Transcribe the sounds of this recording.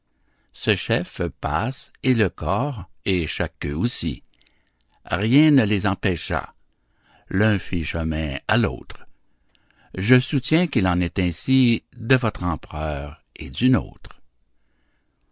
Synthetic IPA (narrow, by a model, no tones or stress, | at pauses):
səʃɛfpaseləkɔːʁeʃakø̃osḭ | ʁjɛ̃nəlezɑ̃pɛʃa̰ | lœ̃fiʃəmɛ̃alo̰ːt̪ʁ | ʒəsut̪jɛ̃kilɑ̃nɛt̪ɛ̃sid̪əvɔt̪χɑ̃pʁœːʁ | ed̪yno̰ːt̪ʁ